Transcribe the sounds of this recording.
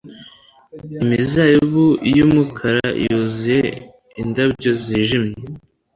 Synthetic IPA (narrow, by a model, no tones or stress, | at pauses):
imizajiβujumukʰaɾaḭjozije | indabɟo̞ziʒimɲe